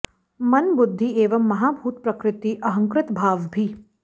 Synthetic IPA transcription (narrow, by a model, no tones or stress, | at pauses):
mɐnbʊd̪ʱːieːʋəmːɐɦaːbʱuːt̪̚pɾɐkɾɪt̪iʔɐɦə̃ŋkɾɪt̪bʱaːʋbʱiː